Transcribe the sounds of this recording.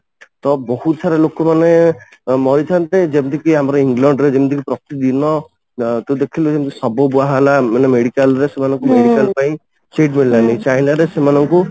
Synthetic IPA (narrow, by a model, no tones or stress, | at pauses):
t̪ɔbɔhut̪saɾelokɔmane | mɔɾit̪ʰant̪ed͡ʒet̪ikiɦamɔɾɔiŋɡlaɳɖɾed͡ʒebnd̪ikipɾɔkt̪id̪inɔ | t̪ud̪ekʰiloemd̪ikisɔbɔbuaɦalamenemeɽikalɾesemanɔŋkumeɽikalpaĩ | t͡ʃeʈmiɽilanit͡ʃajnaɾesemanɔŋku